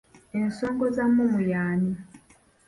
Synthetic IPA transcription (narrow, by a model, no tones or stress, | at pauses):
ensoːŋɡozamːumujaːni